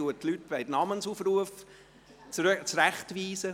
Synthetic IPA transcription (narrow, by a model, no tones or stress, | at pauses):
uətlyt̚b̥aɪdənɑmənsufruəf | t͡sɾæχtʋiːsə